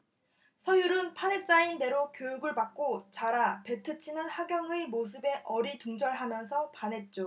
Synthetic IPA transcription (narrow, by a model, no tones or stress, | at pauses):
sʰʌjuɾɯnpʰane̞t͡ɕ͈ainde̞ɾokjojuɡɯɭpak̚k͈ot͡ɕaɾape̞tʰɯt͡ɕʰinɯnhaɡjʌŋɯmos̬ʰɯbe̞ʔʌɾituŋd͡ʑʌɭɦamjʌnsʰʌpanɦe̞t̚t͡ɕ͈o